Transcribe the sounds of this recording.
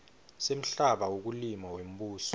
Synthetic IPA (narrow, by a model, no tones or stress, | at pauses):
sem̩ɬaɓawok̬ulimawem̩ɓuːsɔ̥